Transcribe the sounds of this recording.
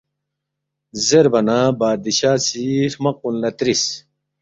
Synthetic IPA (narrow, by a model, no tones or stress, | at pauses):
zeɾbɐnabaːd̪iɕaːsiɾmɐq̚unlɐt̪ɾis